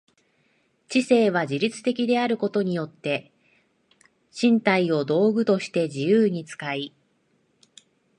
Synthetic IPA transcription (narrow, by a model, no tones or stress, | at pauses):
t͡ɕise̞ːβ̞ad͡ʑiɾʲit͡sɨ̥t̪e̞kʲid̪e̞aɾɯ̟ko̞t̪o̞ɲ̟ijo̞t̪ːe̞ | ɕĩnt̪aio̞d̪o̞ːɡɯ̟t̪o̞ɕi̥t̪e̞d͡ʑijɯːɲ̟it͡sɨ̥kai